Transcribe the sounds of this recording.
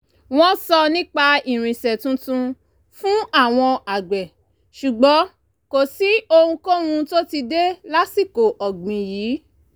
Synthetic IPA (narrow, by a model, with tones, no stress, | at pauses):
w̃ɔ̃˦sɔ˧nĩ˦k͡pa˧i˨ɾ̃ĩ˨sɛ˨tũ˧˦tũ˧ | fũ˦a˦˨w̃ɔ̃˧a˨ɡ͡bɛ˨ | ʃu˨ɡ͡bɔ˨˦ | ko˨si˨˦o˧hũ˧ko˦ɾũ˧to˦ti˧de˦la˦si˦˨ko˨ʔɔ˨ɡ͡bĩ˨jiː˨˦